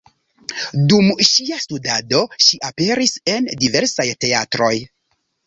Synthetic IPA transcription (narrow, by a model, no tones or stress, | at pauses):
dumʃiastudado̞ʃiʔape̞ɾise̞ndive̞ɾsajte̞atɾo̞j